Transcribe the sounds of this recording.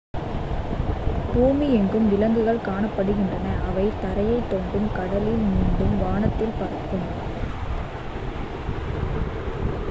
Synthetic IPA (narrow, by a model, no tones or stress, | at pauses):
buːmiɛŋɡɯmʋɪlɐŋɡɯɣɐɭkaːɳɐpːɐɽɯɣɪndrɐnɐʔɐʋɐɪt̪ɐɾɐjɐɪt̪ːoɳdɯmkɐɽɐlɪlmiːnɖɯmʋaːɳɐt̪ːɪlpɐɾɐkːɯm